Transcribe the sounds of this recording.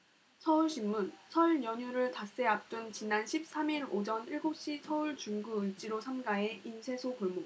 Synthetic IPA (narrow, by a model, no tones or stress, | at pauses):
sʰʌuɭɕʰimːunsʰʌɭɲjʌɲuɾɯɭtas͈e̞ap̚t͈ɯnt͡ɕinanɕʰip̚s͈amiɾod͡ʑʌniɭɡup̚ɕ͈isʰʌuɭt͡ɕuŋɡuɯt͡ɕ͈iɾosʰamɡae̞insʰe̞sʰokʌɭmo